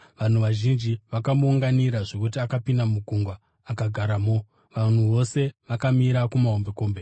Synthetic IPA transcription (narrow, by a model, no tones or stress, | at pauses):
ʋan̤uʋaʒind͡ʒiʋakamuːŋɡaniɾaʐo̞k̬ut̬iakapindamuɡʱuŋɡwaː | kaɡʱaɾamo | ʋan̤uʋo̞se̞ʋakamiɾakumaɦombe̞ko̞ːmbe